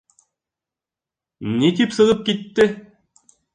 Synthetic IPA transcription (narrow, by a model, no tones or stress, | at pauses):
nit̪ipsɤ̆ʁɤp̚kit̪ːɘ